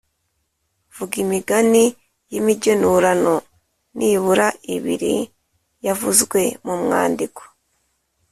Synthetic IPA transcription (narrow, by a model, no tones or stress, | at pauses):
v̥uɡimiɡani | jimiɟenuɾano | nʔiβuɾaiβḭɾḭ | javuzɡwe̞mumŋa̰ːndiko̥